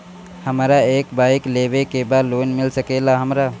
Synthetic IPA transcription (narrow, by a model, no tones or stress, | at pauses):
həmɾaeːkbaːɪkleːʋekebaːd̪loːnmɪlsəkeːlaɦəmɾa